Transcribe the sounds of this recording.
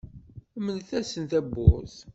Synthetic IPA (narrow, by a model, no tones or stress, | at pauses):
mənθæsənθæbːʊ̰z